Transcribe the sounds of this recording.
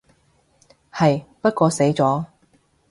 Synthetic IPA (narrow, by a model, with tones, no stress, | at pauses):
hɐ˨jpɐ˥t̚kʷɔː˧se˨˥jt͡sɔː˨˥